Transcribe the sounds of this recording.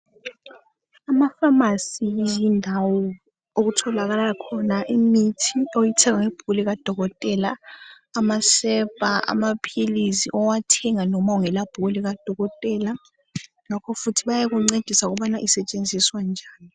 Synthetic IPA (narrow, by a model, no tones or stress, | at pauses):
amafamasizindʱawɔ | oɣutʰɔlaɣalakʰɔnaʔimitʰiojitʰɛɣaŋeb̥ʱuuliɣad̥ʱɔɣɔtʼɛlaː | masɛpʼaa̰mapʰilisḭʔɔwatʰɛŋanɔmauŋɛlab̥ʱuɣuliɣad̥ʱɔɣɔtʼɛla | ŋakʰɔfutʰiβajaɣuŋ͡ǀed̥ʱisauɣuβanaʔisɛt͡ʃʼend͡zʱiswand͡ʒʱaːni